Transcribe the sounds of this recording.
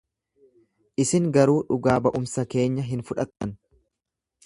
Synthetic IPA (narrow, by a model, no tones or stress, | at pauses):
ʔɪsɪŋɡɐɾuːᶑʊɡaːbɐʔʊmsɐke̞ːɲːɐɦɪnfʊᶑɐt̪ʼːɐn